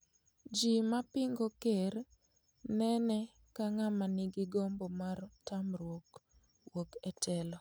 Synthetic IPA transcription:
d͡ʒimapɪŋɡokeɾ | nɛnɛ | kaŋamanɪɡɪɡombomartamrwok | wokɛtʰɛlɔ

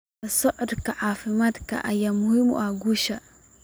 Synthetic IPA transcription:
asɔʔdkaʕafimat̪ka̰ʔajamuhimṵʔaɡuʃa

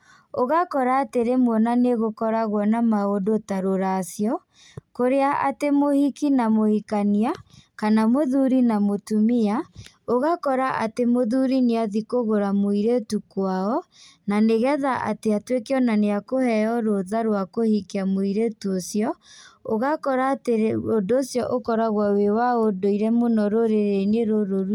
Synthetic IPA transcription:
oɣakɔɾaːteɾemwɔnaneɣokɔɾaɣwɔnamaodotaɾoɾasjɔ | koɾeaʔatemohikinamohikaniakanamoðuɾinamotumia | oɣakɔɾaʔa̰temoðuɾineaðikoɣoɾamoiɾetukwaɔnaneɣɛðaʔa̰teatwekeɔnaneakohɛɔɾoðaɾwakohikeamoiɾetuosjɔoɣakɔɾaːteodosjɔʔokɔɾaɣwawewaodoiɾɛmonɔɾoɾeɾeneɾoɾoɾu

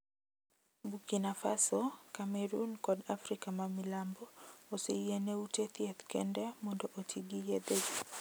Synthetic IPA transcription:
bukinafa̰sɔkamɛɾunkɔdafɾikamamilambɔɔsiiɛnɛutɛθiɛθkɛ̰ndɛmɔndɔʔɔtʰiɡijɛðɛd͡ʒi

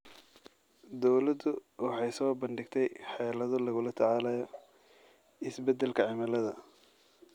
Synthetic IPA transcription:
d̪ɔwlɐd̪ʊwɑħɑjsɔːbɐnɖɪɡt̪ʰɛjħɑjlɐðɔlɐɣʊlɐt̪ʰɑʕɑːlɐjɔ | ɪsbɛd̪ːɛlkʰɐʕɪmɐlɐðɐ

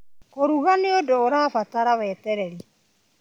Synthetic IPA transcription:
koɾuɣaneodoːɾaːfataɾawɛtɛɾɛɾi

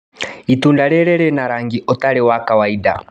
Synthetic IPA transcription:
itundaɾɛɾɛɾɛnaɾaŋɡiɔtaɾɛwakawaida̰

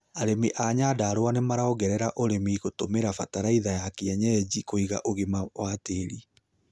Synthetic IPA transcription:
aɾemiʔaɲadaːɾwanemaɾaɔɣɛɾɛɾaʔoɾemiɣotomeɾafataɾaiðajakeɛɲɛd͡ʑikoiɣa̰ʔoɣemawateɾi

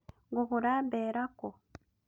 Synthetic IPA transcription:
ŋɡuɣuɾaːmbeːɾako

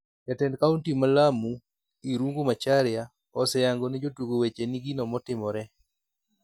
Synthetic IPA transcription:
jatɛndkauntimalamu | iɾuŋɡumat͡ʃaɾɪa | ɔsɛjaŋɡonɛd͡ʒotuɡowet͡ʃeniɡinɔmɔtɪmɔɾɛ

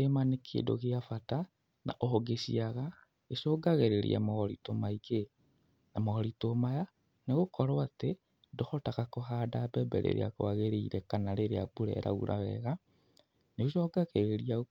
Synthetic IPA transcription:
emanekʰḛdo̰ɣeafata | na̰ʔɔɦɔɡesiaɣa | eʃɔɡaɣeɾeɾḭa̰mɔɣɔɾḭtomaiɣe | namɔɣɔɾitomaja | neɣokʰɔɾoate | dɔhɔtakakoɦaːdabɛbɛ̰ɾḛɾḛa̰koaɣeɾeiɾɛkanaɾeɾea̰buɾɛ̰ɾa̰ɣṵɾa̰wɛ̰ɣa | neoʃɔːɡaɣeɾeɾia

